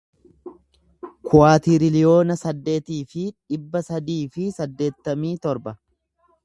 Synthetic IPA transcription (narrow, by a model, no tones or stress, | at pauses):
kʰʊaːt̪iɾɪlɪjo̞ːnɐsɐd̪ːe̞ːt̪iːfɪᶑɪbːɐsɐd̪iːfɪsɐd̪ːe̞ːt̪ːɐmiːt̪ɔɾbɐ